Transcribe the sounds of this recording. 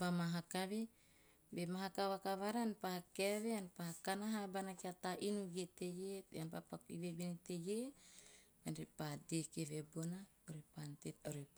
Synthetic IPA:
pamaɦakaβe | bemaɦakaβakaβaɾanpaakeβeanpaakanaɦabanakiat̪aʔinuɡet̪ejeanpapakḭβebenit̪eɡe | anɾepadekeβebona | oɾepant̪etoɾep

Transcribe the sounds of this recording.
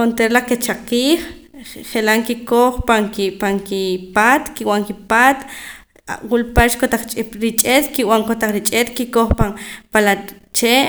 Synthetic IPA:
ont̪eɾlaket͡ʃaqiːχχelaŋkikoχpaŋkipaŋkipaːt̪kiwaŋkipaːt̪ | wulpaʃkot̪aχt͡ʃʼɾit͡ʃʼet̪kiwaŋkot̪aχɾit͡ʃʼet̪kikoχpaŋpala | t͡ʃeʔ

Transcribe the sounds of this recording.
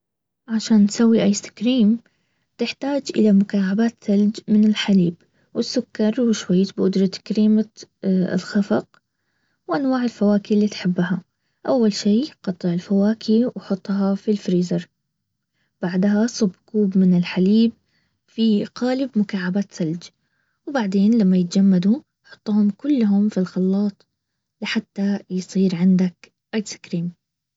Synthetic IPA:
ʕaʃaːntsawːiʔajːsɪ̥kɾiːm | t̪ɪħt̪aːd͡ʒʔɪ̰lamʊkaːʕabaːt̪sald͡ʒmɪnɪlħaliːb | wɪsːʊkːɑɾˤwɪʃwajːt̪bʔʊd̪ɾˤɑt̪kɾiːmaɪ̰lxɑfɑq | wʔanwaːʕɪlfawaːkilːiːt̪ħɪbːha | ʔawːalʃiːqɑt̪ˤːɨʕɪlfawaːkʰiwħʊt̪ˤːɦɑfilfɾiːzɑɾˤ | b̥aʕd̪ɦasˤʊbkuːbmɪnɪlħaliːb | fiqaːlɪbmʊkaːʕabaːt̪sald͡ʒ | wbaʕd̪eːnlamːajɪt̪d͡ʒamːad̪u | ħʊ̥t̪ˤːuhʊmkʊlːɦʊmfilxɑlːɑːt̪ˤ | lɪħat̪ːajsˤiːɾʕɪnd̪ak | ʔat̪skɾiːm

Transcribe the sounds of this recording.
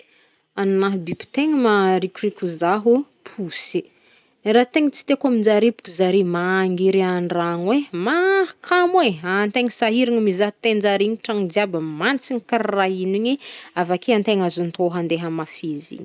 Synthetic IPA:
anunaɦbibi̥t̪eŋəmaɾikʲurikʲuzaɦu | pʰuse | rat̪eŋət͡si̥t̪ekamind͡zaɾepu̥kʲizaɾemaŋɡiɾeaɳraŋwemakʰamweant̪eŋəsaɦiɾiŋəmizaɦt̪end͡ʒaɾiŋiʈ͡ʂaŋid͡ʒiabəmant͡siŋikaɾiraɦiniɲiavakʰeant̪eŋazunt̪oɦand̪eɦəmafizḭɲi̥

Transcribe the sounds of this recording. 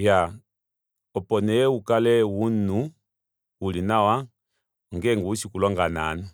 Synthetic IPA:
ja | ɔpɔnɛukalɛwunu | ulinawa | ŋɡɛŋɡuusikulɔŋɡana̰nɔ

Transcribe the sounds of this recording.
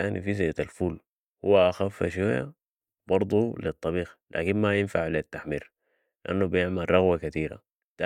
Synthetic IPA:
aːnifis̬aat̪alfuːl | huwːaʔaxafːa̰ʃ̬waja̰ | bɑɾˤd̪ˤulit̪ˤːɑbiːxlʔa̰ːkinmajɪnfaʕlit̪ːaħmiːɾ | liʔanːubijɪʕmalɾˤɑɣwakat̪iːɾa̰ | t̪a

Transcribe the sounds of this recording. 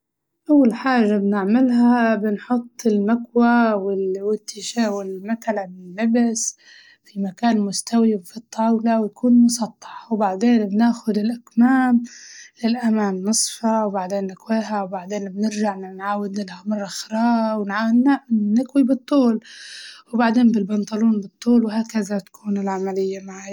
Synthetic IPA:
ʔawːalħaːʒːabnɪʕmɪlɦaabɪnħʊt̪ˤːɪlmakwawɪwɪt̪ːɪʃawɪlmakalabɪlːabɪs | fimakaːnmʊst̪ʰawibfit̪ˤːɑːwlawjakuːnmʊsˤɑt̪ˤːɑ̥ħwbaʕd̪eːnbnaːxʊd̪ɪlʔakmaːmlɪlʔamaːmːɨsˤfɑwbaʕd̪eːnːɪkweːɦawbaʕd̪eːnbnɪɾʒaʕnɪnʕaːwɪd̪lɪlʔamɑrˤːɑxɾɑːwɪnʕananɪkwibɨt̪ˤːuːlwbaʕd̪eːnbɪlbɑnt̪ˤɑluːnbɨt̪ˤːuːlwɦaːkazat̪ḁkʰuːnɪlʕamalɪjːamaʕaːj

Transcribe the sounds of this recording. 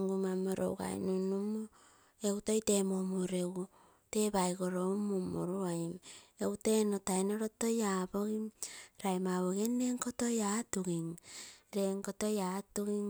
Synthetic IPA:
ŋɡumamoɾo̰wɡa̰j̰nunumo | ewuto̞jte̞momoɾew | te̞bajɡo̞ɾomumoɾuajmewte̞notajnoɾoto̞jaboɡiɾajmaβoɡenːeŋkoto̞jatuɡiŋɾeŋkoto̞jatuɡiŋ

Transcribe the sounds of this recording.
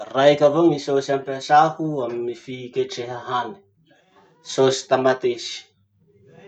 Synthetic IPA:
rajkʲavomisosampasahuaminifiikeʈ͡ʂeɦaɦani̥ | sosi̥t̪amat̪esi̥

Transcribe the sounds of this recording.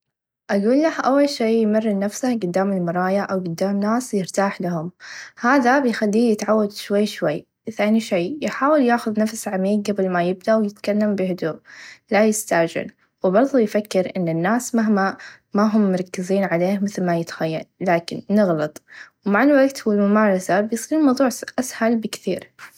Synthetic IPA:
ʔaɡuːlːahʔawːalʃeːjmɪrːɪnafsaɡʊd̪ːaːmɪlmɑɾˤɑːjaʔawɡʊd̪ːaːmnaːsjɪɾt̪aːħlahʊmhaːðabɪjxalːiːjɪt̪ʕawːad̪ʃwajːʃwajː | θaːniʃeːjħaːwɪljaːxʊðnafsʕamiːq̚ɡabɪlmajɪb̚d̪awjɪt̪kalːambɪhʊd̪uːʔlajɪst̪aʕd͡ʒɪ̰l | wbɑɾˤðˤujfakːɪɾʔɪnːɪnːaːsmaɦma | maɦʊmːɑɾˤkːɪziːnʕaleːhmɪθlmajɪt̪xajːa̰lːaːkɪnːɪɣlɑt̪ˤwmaʕɪlwaɡt̪hwɪlmʊmaːɾˤɑsabɪjsˤiːmɑwðˤuːʕʔashalbɪkθiːɾ

